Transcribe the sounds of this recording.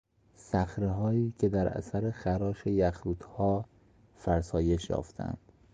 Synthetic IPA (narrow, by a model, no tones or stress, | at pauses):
sæxɾeɦɒːiːcʰe̞d̪æɾæ̰sæɾexæɾɒːʃejæxuːd̪hɒː | fæɾsɒːje̞ʃjɒ̰ːft̪ʰæ̰nd̪̥